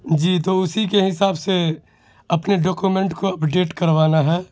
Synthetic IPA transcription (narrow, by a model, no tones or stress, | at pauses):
d͡ʒiːt̪oʊsikeɦɪsaːbse | ɐpneɖɔːkumẽɳʈkoɐpɖeːʈkɐɾʋaːnaɦɛː